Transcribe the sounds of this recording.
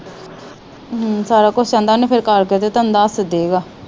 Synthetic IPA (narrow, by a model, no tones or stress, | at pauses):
saːɾaːkʊt͡ʃʰt͡ʃə̃nd̪aːnĩːpʰɪɾkəɾket̪eːt̪ənd̪aːsd̪eːɡaː